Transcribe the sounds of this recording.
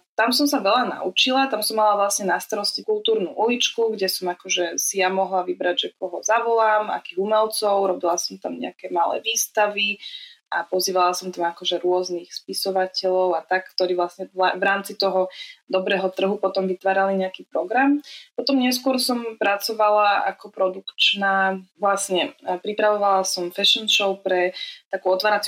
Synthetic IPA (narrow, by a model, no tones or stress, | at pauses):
t̪amsɔmsaʋɛʎana̰ut͡ʃilat̪amsɔmːalaʋlasɲɛnast̪aɾɔscikulˠt̪uːɾnuʔulit͡ʃkuɡɟɛsɔmakɔʒɛsijamɔɦlaʋibɾaɟʒɛkɔɦɔzaʋɔlaːma̰kiːɣumɛlt͡sɔʊɾɔbilasɔmt̪amɲɛ̰akɛmalɛ̰ːʋiːst̪aʋiʔapɔziːʋalasɔmt̪amakɔʒɛɾʊɔznixspisɔʋacɛʎɔʊat̪akkt̪ɔɾiːʋlasɲɛlavɾaːmt͡sit̪ɔɦɔd̪ɔbɾɛːɦɔt̪r̩ɦupɔt̪ɔmʋit̪ʋaːɾaliɲɛakiːpɾɔɡɾampɔt̪ɔmɲɛs̬kʊɔɾsɔmpɾat͡sɔʋalaa̰kɔpɾɔd̪ukt͡ʃnaːʋlasɲɛpɾipɾaʋɔʋalasɔmfɛʃɔnʃɔʊpɾɛt̪akuːɔt̪ʋaːɾat͡s